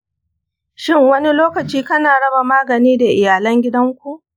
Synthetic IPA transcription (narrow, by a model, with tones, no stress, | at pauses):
ʃɪ˦ŋwɐ˦ni˦loː˦kɐ˨t͡ʃiː˦kɐ˦naː˨ɽɐ˦ba˨maː˦ɡɐ˨niː˦da˨ʔɪ˨jaː˨lɐ˦ŋɡʲɪ˦dɐ˦ŋkʷu˨ʔ